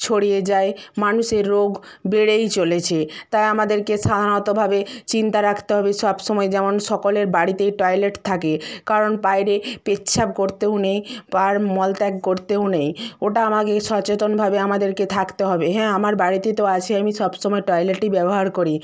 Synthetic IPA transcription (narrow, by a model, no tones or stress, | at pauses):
t͡ɕʰoɽijed͡ʑaemanuʃeɾːoɡbeɽejt͡ɕolet͡ɕʰet̪ajamad̪eɾkeʃad̪ʱanot̪obʱabet͡ɕint̪aɾakʰt̪eɦɔbeʃɔbʃɔmɔed͡ʑɛmonʃɔkoleɾbaɽit̪ejʈɔjleʈt̪ʰakekaɾonpajɾepetːt͡ɕʰap̚koɾt̪eonejpaɾmɔlʈɛkkoɾt̪eonejoʈaamakeʃɔt͡ɕet̪onbʱabeamad̪eɾket̪ʰakt̪eɦɔbeɦɛ̃amaɾbaɽit̪et̪oat͡ɕʰeamiʃɔbʃɔmɔeʈɔjleʈibɛboɦaɾkoɾi